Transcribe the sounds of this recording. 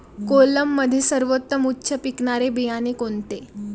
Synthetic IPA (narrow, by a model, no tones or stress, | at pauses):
koləmːəd̪ʱːjesəɾʋot̪ːəmutːɕʰəpikɳaɾebijanekont̪e